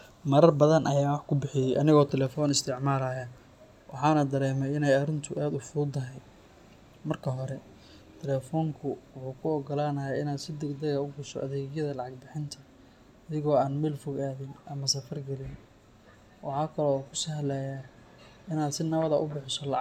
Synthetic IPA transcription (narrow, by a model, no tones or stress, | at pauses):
mɐɾɐrbɐðɐnʔɐjaːwɑħkʰʊbɪħɪjɛjʔɐnɪɣɔːt̪ʰɛlɛːfɔːnɪst̪ʰɪʕmaːlaːjɐ | wʔɑħɑːnɐd̪ɐɾɛːmɛjɪnɛjɐɾɪnt̪ʰʊʔaːd̪ʊfʊd̪ɐɦɛj | mɐrkʰɐɦɔɾɛ | t̪ʰɛlɛːfɔːŋkʰʊwʊħuːkʰʊɔːɡɔlaːnɐjaːɪnaːd̪sɪd̪ɛɡd̪ɛɣɐʊbʊsɔ̰ʔɐðɛːɣjɐðɐlɑʕɑɡ̚bɪħɪnt̪ʰɐ | ɐðɪɣɔːaːnmɛːlfʊɣaːðɪnʔɐmɐsɐfɐrɡɐlɪn | wʔɑħɑːkʰɐlɔːkʰʊ̥sɐɦɐlɛːja | ɪnaːd̪sɪnɐβɐðɐʔʊbɪħɪsɔlɑʕ